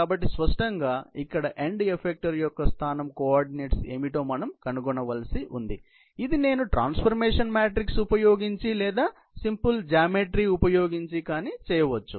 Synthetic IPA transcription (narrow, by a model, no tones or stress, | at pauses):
kaːbɐʈ̬ːispɐʂʈɐŋɡaːikːɐɽɐʔeɳɖepʰek̚ʈɐɾjɔkːɐst̪ʰaːnɐmkoaːɾɖineːʈsḛːmiʈoːmɐnɐmkɐnuɡɔɳɐʋɐlsiʔund̪i | id̪ine̞ːnuʈɾa̰ːnspʰɐɾmeːʂɐnmaːʈɾiksupɐjo̞ːɡiɲt͡ʃilɛːd̪aː | simpuld͡ʒaːmeʈɾiupɐjo̞ːɡiɲt͡ʃikaːnit͡ʃɛːjɐʋɐt͡ʃːṵ